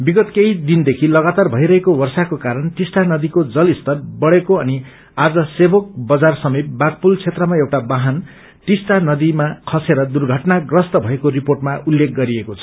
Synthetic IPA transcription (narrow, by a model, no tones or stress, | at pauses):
biɡʌt̪kejd̪ind̪ekʰilʌɡat̪arbʱʌiɾʌɦekowʌrsakokaɾʌnʈisʈanʌd̪ikod͡zʌlist̪ʌrbʌɽekoʌni | ad͡zʌsebok̚bʌd͡zarsʌmip̪̚bak̚pult͡sʰet̪rʌmaewʈabaɦʌn | ʈisʈanʌd̪imakʰʌseɾʌd̪urɡʱʌʈnaɡrʌst̪ʌbʱʌekoɾiporʈmaulːek̚ʰɡʌɾiekot͡sʰʌ̥